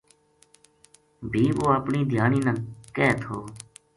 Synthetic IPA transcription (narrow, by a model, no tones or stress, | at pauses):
bʱiːʋoːapɳiːd̪ʱjaːɳiːnəːkɛːt̪ʰɦoː